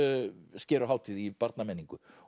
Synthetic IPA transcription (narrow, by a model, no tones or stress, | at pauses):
scɛːɾʏɦaːwt̪ʰiðipaɾt̪namɛːniŋkʏ